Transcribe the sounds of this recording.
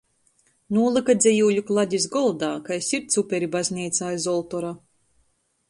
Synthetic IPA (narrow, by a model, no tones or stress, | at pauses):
nuːlˠɨkad̪zʲɛjuːlʲuklˠad̪ʲiz̬ɡɔlˠd̪aːkajsiɾt̪supʲɛɾibazʲnʲiːt̪saːjzɔlˠt̪ɔɾa